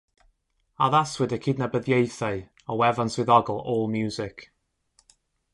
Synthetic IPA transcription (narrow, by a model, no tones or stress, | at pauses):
aðaswɪdəkʰɪdnabəðjejθaɨ | ɔwɛvanswɪðɔɡəlˠɔːlˠmjuːzɪk